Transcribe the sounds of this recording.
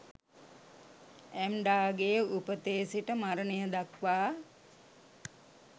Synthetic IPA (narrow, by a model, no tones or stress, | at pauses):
ɛmɖaːɡejəupət̪eːsiʈəmaɾənejəd̪akʋaː